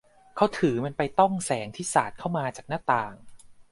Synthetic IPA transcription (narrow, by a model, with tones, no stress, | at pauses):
kʰa˥˩wt̪ʰɯː˨˩˦ma˧npa˧jt̪ɔ˥˩ŋsɛː˩˦ŋt̪ʰiː˥˩saː˨˩t̪̚kʰa˥˩wmaː˧t͡ɕaː˨˩k̚naː˥˩t̪aː˨˩ŋ